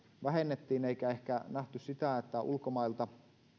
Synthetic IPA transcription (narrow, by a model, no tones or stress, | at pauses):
ʋæɦenːet̪ːiːneikæe̞hkænæht̪ussit̪æet̪ːæʔṵlkomɑilt̪ɑ